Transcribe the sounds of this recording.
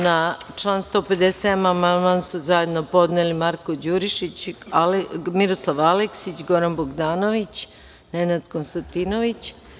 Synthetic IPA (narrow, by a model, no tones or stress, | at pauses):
nat͡ʃlˠaːnst̪o̞ːped̪eseamamanmansuzaje̞d̪no̞po̞d̪nelimaɾkod͡ʑuɾiʃit͡ɕalmiɾo̞slˠaʋaleksit͡ɕɡo̞ɾanboɡd̪aːno̞ʋit͡ɕ | ne̞nad̪konst̪ant̪inoʋit͡ɕ